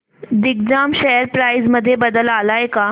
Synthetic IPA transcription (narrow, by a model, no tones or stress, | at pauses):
d̪ik̚d͡zamɕɛɦəɾpɾajd͡zməd̪ʱːjebəd̪əlalajeka